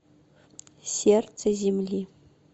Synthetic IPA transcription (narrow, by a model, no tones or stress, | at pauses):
sʲert̪səzʲemlʲi